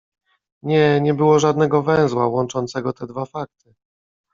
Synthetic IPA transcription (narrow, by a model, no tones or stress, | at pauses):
ɲɛɲɛbɘwɔʐad̪nɛɡɔvɛ̃w̃zwawɔnt͡ʂɔnt̪sɛɡɔt̪ɛd̪vafak̚t̪ɘ